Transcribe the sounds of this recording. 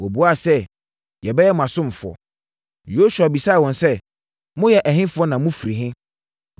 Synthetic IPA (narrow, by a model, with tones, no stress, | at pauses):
wɔ˨bu˨˦a˦˨sɛ˦ | jɛ˨bɛ˦jɛ˦mʊ̃˨a˨sʊ̃˦m̩˨fʊ˨ɔ̰˨ | jo˦su˨a˨bi˨sa˦˨wɔ̃˨nsɛ˦ | mʊ̃˦jɛ˨ʔæ˨ɦɪ̃˦fʊ˨˦ɔ˦nã˨mʊ̃˦fi˨ɾi˨ɦɪ̃˦